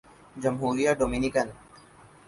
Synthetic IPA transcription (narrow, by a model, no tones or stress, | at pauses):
d͡ʒɐmɦuːɾijaɖoːminikɐn